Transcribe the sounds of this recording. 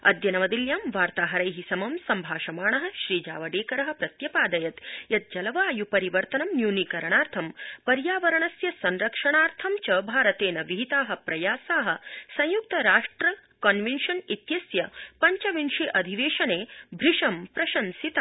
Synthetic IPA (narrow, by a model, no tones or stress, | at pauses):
ɐ̰d̪jɐnɐʋɐd̪iljaːmʋaːɾt̪aːɦɐɾɐjɦisɐmɐmsɐmbʱaːʃɐmaːɳɐɦɐ̆ʃɾiːd͡ʒa̰ːʋɐɖeːkɐɾɐɦɐ̆pɾɐt̪jɐpaːd̪ɐjɐt̪jɐt̪̚d͡ʒɐlɐʋaːjupɐɾiʋɐɾt̪ɐnɐmnjuːnikɐɾɐɳaːɾt̪ʰɐmpɐɾjaːʋɐɾɐɳɐsjɐsɐnɾɐkʂɐɳaːɾt̪ʰɐmt͡ʃɐbʱaːɾɐt̪eːnɐʋiɦit̪aːɦɐ̆pɾɐjaːsaːɦɐ̆sɐ̃j̃juk̚t̪ɐɾaːʂʈɾɐkɐnʋenʃɐnit̪jɐsjɐpɐɲt͡ʃɐʋinʃeːʔɐd̪ʱiʋeːʃɐneːbʱɾiʂɐmpɾɐʃɐnsit̪aː